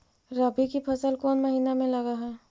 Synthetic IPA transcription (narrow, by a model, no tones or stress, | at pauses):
ɾəbikipʰɐsəlkɔːnmɐɦiːnamẽlɐɡaɦɛː